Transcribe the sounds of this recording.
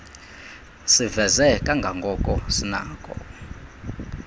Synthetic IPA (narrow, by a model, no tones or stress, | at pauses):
sivɛzɛkʼaŋɡʱaŋɡʱɔkʼɔsina̰ːkʼɔ̰